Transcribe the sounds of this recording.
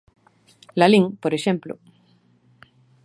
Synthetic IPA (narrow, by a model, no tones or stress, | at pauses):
laliŋpoɾeʃẽmplo̰